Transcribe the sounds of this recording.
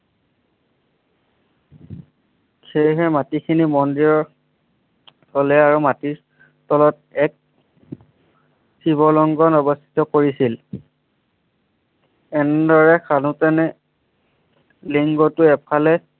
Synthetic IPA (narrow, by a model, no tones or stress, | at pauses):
kʰejɦɛmatikʰinimɔndiɹɔɹ | tʰɔlɛaɹumati | tɔlɔt̚ | ɛk̚ | sʰiβɔlɔŋɡɔnɔbɔst̪ʰi̥tɔkoɹisil | ɛnɛdɔɹɛkʰanutɛnɛ | liŋɡɔtʊɛpʰalɛ